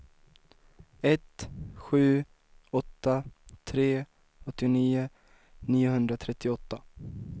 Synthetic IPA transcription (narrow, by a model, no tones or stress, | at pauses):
ɛt̪ɧʉ̟ː | ɔt̪ːat̪ʰɾeː | ɔt̪ːɪniːʊ | niːʊɦɵnd̪ɾat̪ʰɾɛt̪ːɪɔt̪ːa